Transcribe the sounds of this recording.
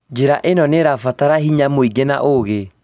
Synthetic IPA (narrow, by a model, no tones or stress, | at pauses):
d͡ʑeɾaʔenɔneɾafataɾaɦiɲamoiɡena̰ʔoɣe